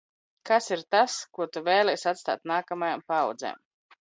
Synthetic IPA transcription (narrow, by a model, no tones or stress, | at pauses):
kasiɾt̪askuɔt̪uvɛːlˠɛjsat̪st̪a̰ːt̪naːkamajampawd̪zḛːm